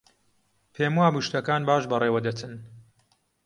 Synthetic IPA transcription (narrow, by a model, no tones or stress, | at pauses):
pʰeːmwaːbuʃt̪ɐkaːnbaːʃbɐreːwɐd̪ɐt̪ʰɨn